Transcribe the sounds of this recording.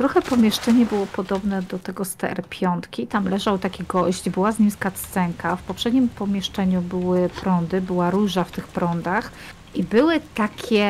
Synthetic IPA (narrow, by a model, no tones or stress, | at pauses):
t̪ɾɔxɛpɔmʲjɛʂt͡ʂɛɲɛbɘwɔpɔd̪ɔbnɛd̪ɔt̪ɛɡɔst̪ɛ̰ɛ̰ɾpʲjɔnt̪kʲit̪amlɛʐawt̪akʲiɡɔʑd͡ʑbɘwazɲimskat̪sɛŋkafpɔpʂɛd̪ɲimpɔmʲjɛʂt͡ʂɛɲubɘwɘpɾɔnd̪ɘbɘwaɾuʐaft̪ɘxpɾɔnd̪ax | ʔibɘwɘt̪akʲɛ